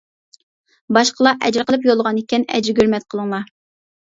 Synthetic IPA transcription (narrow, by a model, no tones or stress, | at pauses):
bɑʃqʰəlˠɑʔɛd͡ʒɾqʰəlˠɨp̬jolˠʁɑnikʲɛnɛ̰d͡ʒɡʲyɾmɛt̪̚qʰəlˠɨŋlˠɑ